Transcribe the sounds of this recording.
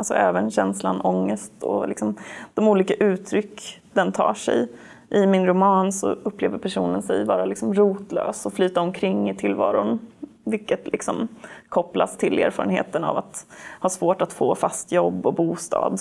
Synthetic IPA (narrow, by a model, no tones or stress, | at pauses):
alsɔ̰ʔɛːvənɕɛnslanɔŋːəst̪ɔ̰lɪksɔmd̪̥ɔmuːliːkaʔʉ̟ːt̪ʰɾʏkːd̪ɛnt̪ʰɑ̰ːʂɛ̰j | ʔɪmɪnɾʊmɑːnsɔ̰ɵpːleːvəɾpʰæʂṵːnənsɛ̰jvɑːɾalɪksɔmɾuːt̪løːsɔflyːt̪aɔmkʰɾɪŋːɪt̪ʰɪlvɑːɾʊnvɪlkːət̪lɪksɔmkʰɔpla̰st̪ʰɪleːɾfɑːɾənheːt̪əna̰vat̪hɑːsvoːʈat̪foːfast̪jɔbːɔbuːst̪ɑ̰ːd̪